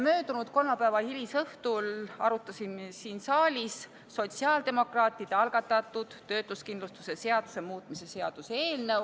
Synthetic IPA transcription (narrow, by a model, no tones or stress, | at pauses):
mø̞ːd̪unud̪̥ko̞lmɑpævɑhilʲisɤht̪ulɑɾut̪ːˑɑsinsiːnsɑːlʲisː | o̞t̪siɑːld̪e̞mo̞krɑːt̪ːˑid̪̥eɑlɡ̥ɑt̪ːˑɑt̪ːˑud̪̥ːø̞ːt̪uskind̪lust̪use̞se̞ɑd̪̥u̥se̞muːt̪ˑmise̞se̞ɑd̪̥useːlnɤw